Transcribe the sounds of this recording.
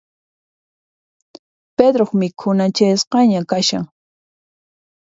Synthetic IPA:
ped̪ɾoχmɪkʰʊnat͡ʃajsqɑɲakaʃa̰ŋ

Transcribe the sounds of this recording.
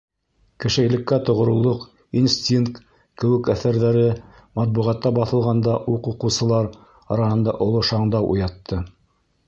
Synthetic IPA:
kɘ̆ʃɘ̆jlɘ̆kːæt̪ŏʁŏɾɤ̆wlˠoq | insʲt̪ʲiŋk̚t̪ | kɘ̆wɘ̆kæθæɾðæɾɘ | mɑt̪̚buʁɑt̪ːɑbɑθɤ̆lˠʁɑnd̪ɑʔuquqɤ̆wsɤ̆lˠɑɾ | ɑɾɑhɤ̆nd̪ɑ̰ʔŏlˠoʃɑɴd̪ɑwʔṵjɑt̪ʰːɤ

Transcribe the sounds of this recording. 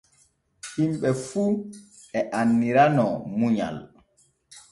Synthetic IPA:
himɓɛfuː | ɛʔanːiɾanɔmuɲa̰l

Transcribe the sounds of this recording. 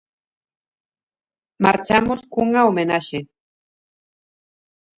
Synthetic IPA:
maɾt͡ʃamʊskʊɴaomenaʃɪ

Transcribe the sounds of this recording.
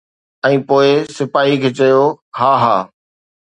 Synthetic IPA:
ɛ̃ːpoːɪsɪpaːɦikʰeːt͡ɕɐjohaːɦaː

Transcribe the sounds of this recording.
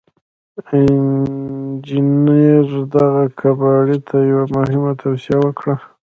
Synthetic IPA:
ɪ | d͡ʒineɾd̪aɣakʰabɑɽit̪ʰajawamʊhɪmat̪ʰawsijawəkɽa

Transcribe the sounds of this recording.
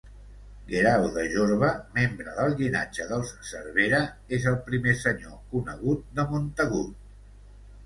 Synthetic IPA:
ɡeɾawðəʒoɾβəmembɾəðəlˠɣina̰d͡ʒəðəlˠssəɾβeɾə | ezəlˠpɾimesəɲokunəɣ̞ut̪̚d̪əmont̪əɣ̞ut̪

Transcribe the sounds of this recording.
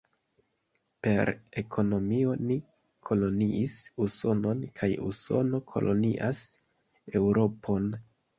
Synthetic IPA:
pe̞ɾe̞kʰo̞no̞mio̞ni | kʰo̞lo̞niʔisuso̞no̞nkʰajṵso̞no̞kʰo̞̰lʔo̞̰nḭʔas | e̞wɾo̞pʰo̞n

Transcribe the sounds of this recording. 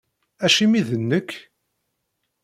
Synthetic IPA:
æʃimiðənːəkː

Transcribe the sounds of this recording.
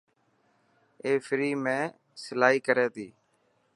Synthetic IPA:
eːfʰɪɾiːmẽː | sɪlaːɦiːkəɾeːt̪iː

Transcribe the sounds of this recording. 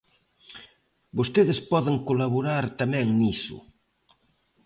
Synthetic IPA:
bost̪eðespɔðeŋkolaβoɾaɾt̪amɛ̃ŋnisʊ̰

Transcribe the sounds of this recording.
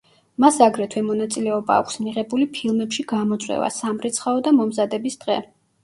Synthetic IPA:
masaɡɾɛt̪ʰwɛmɔnat̪sʼilɛɔba̰ːkʷʰsmiʁɛbulipʰilˠmɛpʃiɡamɔt̪sʼwɛ̰va̰samɾit̪sʰχaɔd̪amɔmzad̪ɛbisd̪̥ʁɛ

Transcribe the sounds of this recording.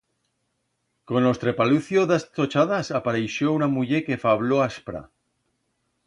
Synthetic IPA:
ko̞no̞st̪ɾepaluθjoðast̪ot͡ʃaðasapaɾejʃounamuʎekefaβloaspɾa̰

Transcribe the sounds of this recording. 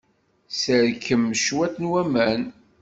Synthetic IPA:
səɾkːəmːʃwæθnwæmæn

